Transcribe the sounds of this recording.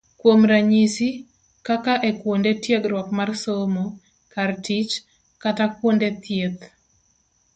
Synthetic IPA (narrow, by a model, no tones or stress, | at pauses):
kwomɾaɲisi | kakaʔekwondetjeɡɾwɔkmarsomo | kartit͡ʃ | katakwondet̪jet̪